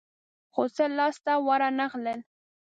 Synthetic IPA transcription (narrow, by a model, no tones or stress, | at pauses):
xosəlɑst̪awɑɾanaɣləl